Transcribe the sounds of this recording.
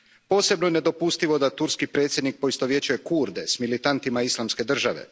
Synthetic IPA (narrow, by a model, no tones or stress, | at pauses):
po̞ːse̞bnojene̞d̪o̞pust̪iʋo̞d̪at̪uɾskipɾe̞ːt̪sʲjed̪nik̚po̞ist̪oʋje̞t͡ɕuje̞kuɾd̪e̞smilit̪ant̪imaislˠamske̞d̪r̩ʒaʋe̞̰